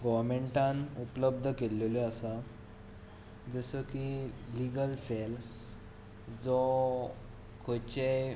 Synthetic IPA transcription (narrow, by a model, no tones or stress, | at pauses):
ɡɔʋɾmeɳʈãnupləb̚d̪ʱəkelːeleasa | d͡zəsəkiliɡəlsel | d͡zɔ | kʰot͡ɕe